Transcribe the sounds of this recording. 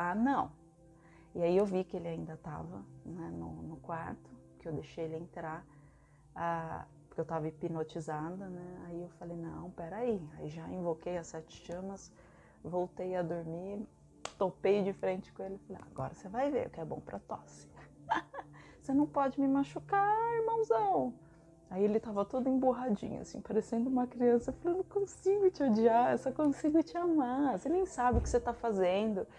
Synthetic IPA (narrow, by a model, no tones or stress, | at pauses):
anɐ̃w̃ | ɪaiewvikɪelɪaĩnd̪ɐt̪a̰vɐnɛnʊ̰nʊkwaɾt̪ʊ | kɪewd̪eʃejelɪẽnt̪ɾaɾ | apʊɾkewt̪avɐɪpinot͡ʃizad̪ʊnɛaiewfalejnɐ̃w̃pɛɾaiaiʒaĩvokejɐsɛt͡ʃɪ̥ʃɐ̃mɐs | vowt̪ejɐd̪oɾmiɾ | t̪opejd͡ʒɪfɾẽnt͡ʃɪ̥kõelɪfalea̰ɡɔ̰ɾɐsevajvḛɾʊ̰kɪɛbõ̰w̃pɾʔɐt̪ɔ̰sɪ̥ | senɐ̃w̃pɔd͡ʒɪmɪmaʃukaɪɾmɐ̃w̃znɐ̃w̃ | aielɪt̪avɐt̪ud̪ʊẽj̃boɦad͡ʒḭ̃ɲʊ̰a̰sḭ̃paɾesẽnd̪ʊũmɐkɾiɐ̃sɐefalɐ̃nʊkõsiɡʊt͡ʃɪod͡ʒiaesɔkõsiɡʊt͡ʃɪamasenẽj̃sabɪʊkɪ̥set̪afazẽnd̪ʊ